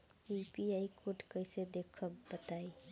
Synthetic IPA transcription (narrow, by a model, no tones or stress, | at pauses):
ipiaikʰoʈkəɪsed̪ekʰəbət̪ai